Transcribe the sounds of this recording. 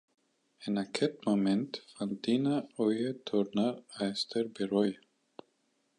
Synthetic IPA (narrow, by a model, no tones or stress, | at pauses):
ɛnakʰɛt̪mamɛnt̪fant̪iːnaɔjɛt̪ʰɔɾnaɾajst̪ɛɾbɛrɔja